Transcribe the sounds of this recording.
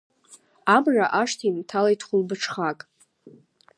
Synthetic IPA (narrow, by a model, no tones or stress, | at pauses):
amraʔaʂtʰiimtʰalaitʰχʷʊlbɨʈ͡ʂʰχakʼ